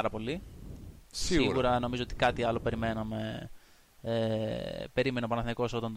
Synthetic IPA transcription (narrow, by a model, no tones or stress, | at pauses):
ɾɐpo̞li | sisiɣuɾɐno̞mizo̞o̞t̪i̥kɐt̪iɐlo̞pe̞ɾime̞nɐme̞ | epe̞ɾime̞neopɐnɐθiniko̞sot̪ond̪